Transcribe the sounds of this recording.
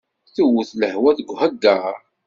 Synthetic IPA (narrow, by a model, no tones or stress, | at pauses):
θuwuθləhwæθəɡʷhəɡːa